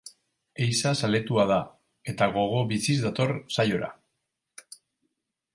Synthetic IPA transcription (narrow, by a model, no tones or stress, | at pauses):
ejsasale̞t̪uaða | e̞t̪aɣo̞ɣ̞o̞βisizd̪at̪o̞ɾsajo̞ɾa̰